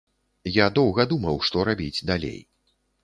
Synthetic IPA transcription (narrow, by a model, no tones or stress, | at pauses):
jad̪ɔwɣɐd̪umɐwʂt̪ɔɾabʲid͡zʲd̪alʲḛj